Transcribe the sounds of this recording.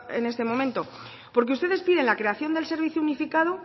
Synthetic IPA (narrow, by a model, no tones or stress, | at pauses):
e̞̰ne̞st̪e̞mõ̞mẽnt̪o̞ | po̞ɾk̬eust̪eðe̞spiðe̞nlakɾe̞aθjo̞nd̪e̞lse̞ɾβ̞iθjuunifikað̞o